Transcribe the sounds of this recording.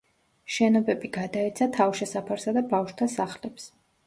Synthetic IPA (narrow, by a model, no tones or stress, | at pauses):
ʃɛnɔbɛbiɡad̪aɛt̪sʰat̪ʰawʃɛsapʰaɾsad̪abafʃwt̪ʰasaχlɛps